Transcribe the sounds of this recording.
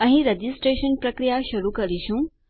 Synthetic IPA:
ə̃ɦĩɾed͡ʑisʈɾeɕənpɾəkɾijaɕuɾukəɾiɕũ

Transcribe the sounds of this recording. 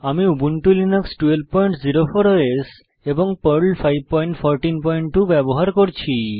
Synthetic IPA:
amiubuɳʈulineksʈuelb̚pɔjɳʈd͡ʑiɾofoɾoes | eboŋpəɾlfʰajb̚pɔjɳʈfʰɔɾʈinpɔjɳʈʈubɛboɦaɾkoɾt͡ɕʰi

